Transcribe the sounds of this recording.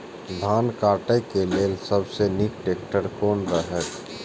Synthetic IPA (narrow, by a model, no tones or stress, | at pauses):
d̪ʱaːnkaːʈekeleːlsəbsenikʈeːk̚ʈəɾkoːnɾəɦɛk